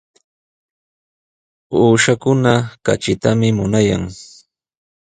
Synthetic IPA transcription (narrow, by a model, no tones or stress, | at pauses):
uːʃakʊnaka̰t͡ʃɪt̪amɪmʊnaja̰ŋ